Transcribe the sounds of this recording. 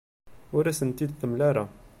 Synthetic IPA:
wəɾæsənt̪id̪θəmlæɾa

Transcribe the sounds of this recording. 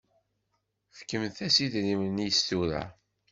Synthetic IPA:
fkəmθæsiðɾimənjəst̪uɾæ̰

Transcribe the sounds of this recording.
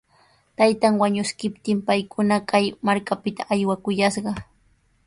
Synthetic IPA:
t̪ajt̪aŋwaɲʊskɪpt̪ɪmpajkʰʊnakajmaɾkapɪt̪aʔajwakʊjaʃɢɑ

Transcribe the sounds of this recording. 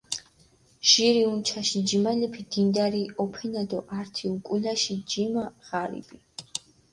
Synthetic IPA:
ʒ̥iɾiunt͡ʃʰaʃid͡ʒimalipʰid̪̥ind̪aɾiɔpʰɛnad̪ɔʔaɾt̪ʰiukʼulaʃid͡ʒimaʁaɾḭb̥i

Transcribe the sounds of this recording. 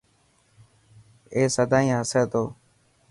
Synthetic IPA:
eːsəd̪ʱaːĩːɦəsəːt̪oː

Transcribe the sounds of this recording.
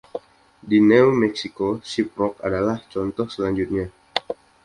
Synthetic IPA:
dinɛumɛksikosip̚ɾɔkadalaht͡ʃɔnt̪ɔhsəlaɲd͡ʒut̪̚ɲa

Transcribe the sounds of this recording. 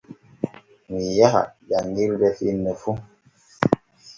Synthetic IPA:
mijaka̰d͡ʒaŋɡilbɛfinəfu

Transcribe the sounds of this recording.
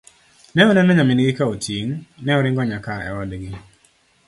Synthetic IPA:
nɛɔnɛnɛɲamɪnɡɪkaotʰiŋnɛɔɾɪŋɡɔɲakaɛ̰wɔdɡɪ

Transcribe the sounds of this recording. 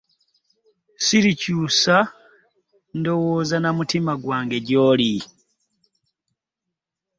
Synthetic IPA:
siɾicuːsa | ndo̞woːzanamutimaɡwaːŋɡe̞ɟoːli

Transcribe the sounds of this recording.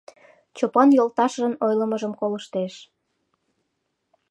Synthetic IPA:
t͡ɕopɑnjolt̪ɑʃʒənojləməʒəmkoləʃt̪eʃ

